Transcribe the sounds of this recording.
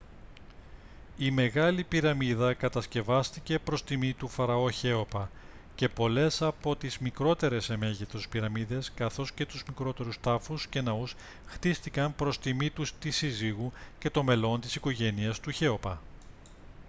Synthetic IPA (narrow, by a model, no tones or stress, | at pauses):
ime̞ɣɐlipiɾɐmiðɐkɐt̪ɐsce̞vɐst̪ice̞pɾo̞st̪imit̪ufɐɾɐo̞çe̞o̞pɐ | ce̞po̞le̞sɐpo̞t̪izmikɾo̞t̪e̞ɾe̞se̞me̞ʝet̪o̞spiɾɐmiðe̞skɐθo̞sce̞t̪uzmikɾo̞t̪e̞ɾust̪ɐfusce̞nɐus | xt̪ist̪ikɐmpɾo̞st̪imit̪ust̪isiziɣuce̞t̪o̞me̞lo̞nt̪isiko̞ʝe̞niɐst̪uçe̞o̞pɐ